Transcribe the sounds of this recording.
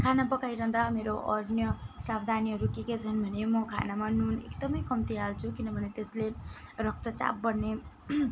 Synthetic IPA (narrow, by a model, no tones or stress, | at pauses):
kʰanabʌkajɾʌɦd̪ameɾoʔʌɾnjʌsabd̪ʱaniɦʌɾukekat͡sʰʌnbʱʌnemʌkʰa̰namanunḛkd̪ʌmʌjkʌmt̪iɦalt͡sʰukinʌbʱʌnet̪eslerʌk̚t̪ʌt͡sa̰p̚bʌrne